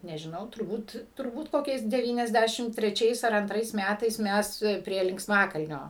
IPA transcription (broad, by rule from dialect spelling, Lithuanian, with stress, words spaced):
nʲɛʒʲɪˈnɐʊ tʊrˈbuːt tʊrˈbuːt ˈkoːkʲɛɪs dʲɛˈʋʲiːnʲɛzʲˌdʲæʃʲɪm tʲrʲɛˈt͡ʃʲɛɪs ɐr ɐnˈtrɐɪs ˈmʲætɐɪs ˈmʲɛs pʲrʲiɛ lʲɪŋksˈmɑːkɐlʲnʲoː